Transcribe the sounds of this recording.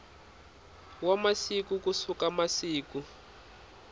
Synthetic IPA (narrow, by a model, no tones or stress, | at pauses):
wamasikukusukamasiːku